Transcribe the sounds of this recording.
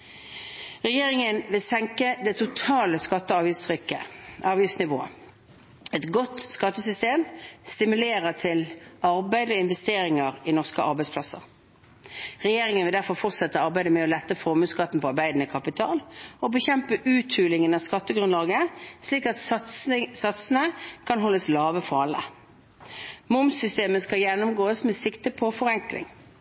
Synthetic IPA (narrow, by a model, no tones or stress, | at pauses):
ʁɛjeːʁɪŋənʋɪlsɛŋkəd̪ɛt̪ʰʊt̪ʰɑːləskɑt̪ːəɑːʋjɪftst̪ʰʁʏkːəɑːʋjɪftsnɪʋo̰ːə̰ | ɛt̪ɡɔt̪skɑt̪ːəsʏst̪eːmst̪ɪmʉleːʁət̪ʰɪlɑʁbæɪd̪əɔɪnʋɛst̪eːʁɪŋəʁɪnɔʁskəʔɑ̰ʁɾbæɪspʰlɑsə̰ʁ | ʁɛjeːʁɪŋənʋɪld̪æʁfɔʁfɔʁt̪sɛt̪ːəɑʁbæɪd̪əmɛɔlɛt̪ːəfɔʁmʉːskɑt̪ːn̩pʰɔɑʁbæɪd̪n̩ɪkʰɑpɪt̪ʰɑːlɔbəçɛmpəʔʉːt̪ʰʉːlɪŋənɑʋskɑt̪ːəɡʁʉnlɑːɡəsliːkɑt̪ | sɑt̪sənəkʰɑnɦɔlːəslɑːʋəfɑːlə̰ | mʊmsʏst̪eːməskɑjɛnːʊmɡoːəsmɛːsɪkt̪əpʰɔfɔʁɛŋklɪ̰ŋ